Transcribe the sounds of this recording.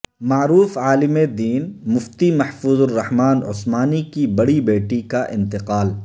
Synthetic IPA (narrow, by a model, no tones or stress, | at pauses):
maːɾuːfaːlɪmed̪iːnmʊft̪imɐħfuːzʊrːɐhmaːnʊ̰smaːnikibɐɽibeːʈikaʔɪ̰̃nt̪ɪqaːl